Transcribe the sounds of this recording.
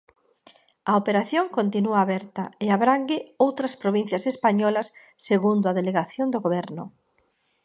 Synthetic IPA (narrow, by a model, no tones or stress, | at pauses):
ɐopeɾaθjoŋkont̪inuaːβɛɾt̪ɐeaβɾaŋɡɪowt̪ɾɐspɾoβĩn̟θjɐsespaɲɔlɐsː | eɣund̪ʊaðeleɣaθjond̪oɣoβɛɾnʊ̰